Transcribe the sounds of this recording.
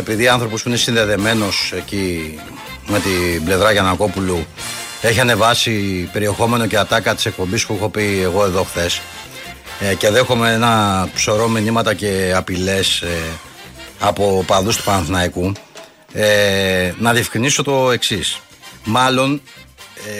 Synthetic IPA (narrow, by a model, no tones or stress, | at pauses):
e̞piðiɐnθɾo̞po̞spuine̞sinðe̞ðe̞me̞no̞se̞ci | me̞t̪ible̞vɾɐʝɐnɐko̞pulu | e̞çiɐne̞vɐsipe̞ɾie̞xo̞me̞no̞ceɐt̪ɐkɐt̪i̥se̞k̚po̞mbispuixo̞pie̞ɣo̞e̞ðo̞xθe̞s | ce̞ðexomeenɐpso̞ɾo̞minimɐt̪ɐce̞ɐpile̞s | ɐpo̞pɐðust̪u̥pɐnθnɐiku | enɐðiɐfkɾiniso̞t̪o̞e̞ksis | mɐlo̞n